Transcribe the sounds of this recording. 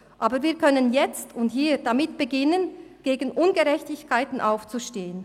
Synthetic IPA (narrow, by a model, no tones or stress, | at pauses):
ʔaːbəviːɐkʰœnənjɛt͡stʰʊnthiːd̥amɪt̚b̥əɡɪnənɡ̥eːɡn̩ʔʊnɡəʁɛçtɪçkʰaɪtn̩ʔaʊft͡suʃteːən